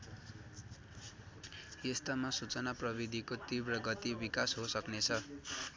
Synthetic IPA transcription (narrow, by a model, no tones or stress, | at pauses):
jest̪ʌmasut͡sʌnaprʌbid̪ʱikot̪ibrʌɡʌt̪ibikasɦosʌknet͡sʰʌ